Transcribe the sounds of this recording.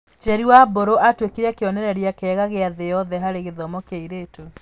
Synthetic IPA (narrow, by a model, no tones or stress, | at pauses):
t͡ʃɛɾiwaboɾoʔatwekeɾakeɔnɛɾɛɾeakeɛɣaɣeaðejɔðɛɦaɾeɣeðɔmɔkaiɾetu